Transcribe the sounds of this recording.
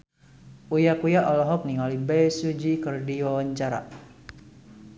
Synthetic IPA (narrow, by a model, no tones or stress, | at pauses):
ʔujakujaʔɔlɔɦɔp̚niŋalibɛsud͡ʒikɨrdiwawaɲt͡ʃaɾa̰